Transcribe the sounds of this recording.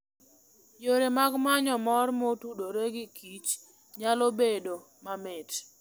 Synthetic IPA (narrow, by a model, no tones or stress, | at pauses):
joɾemaɡmaɲɔmɔrmotudoɾeɡɪkʰit͡ʃ | ɲalobedo | mamɪt